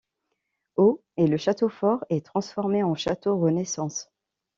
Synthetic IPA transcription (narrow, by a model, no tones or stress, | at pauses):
o | ɛləʃat̪ofɔʁɛt̪χɑ̃sfɔʁmeɑ̃ʃat̪oʁənɛsɑ̃s